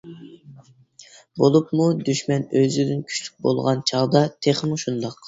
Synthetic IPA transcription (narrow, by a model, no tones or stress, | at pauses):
bolˠupmud̪yʃmɛnøzyd̪ynkʲʰy̥t͡ʃlʲy̥k̚ʲbo̰lˠʁɑnt͡ʃʰɑʁd̪ɑt̪ʰeχmuʃund̪ɑq